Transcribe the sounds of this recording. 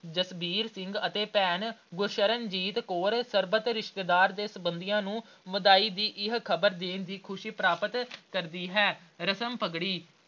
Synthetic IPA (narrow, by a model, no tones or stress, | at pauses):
d͡ʒəsbiːɾsɪ̃ŋɡət̪eːpɛːnɡʊɾʃəɾənd͡ʒiːt̪koːɾsəɾbət̪ɾɪʃt̪eːd̪aːɾd̪eːsəbənd̪ɪjãːnũː | məd̪aːiːd̪iːʔɪɦkʰəbəɾd̪eːnd̪iːkʰʊʃiːpɾaːpət̪kəɾd̪iːɦɛː | ɾəsəmpəɡɽiː